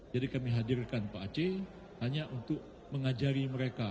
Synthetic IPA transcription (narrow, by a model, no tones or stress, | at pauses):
d͡ʒadikamiɦadirkanpaat͡ʃe | haɲaʔunt̪ʊk̚ | məŋad͡ʒaɾiməɾeka